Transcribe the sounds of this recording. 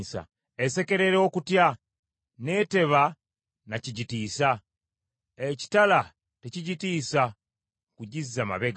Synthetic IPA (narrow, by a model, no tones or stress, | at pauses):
sa̰ | ese̞ke̞ɾe̞ɾokutja | ne̞te̞βa | naciɟitiːsa | eci̥tala | teciɟitiːsa | kuɟizːama̰βe̞ɡ